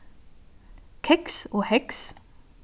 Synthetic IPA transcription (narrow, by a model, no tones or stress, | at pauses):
kʰɛksoːhɛks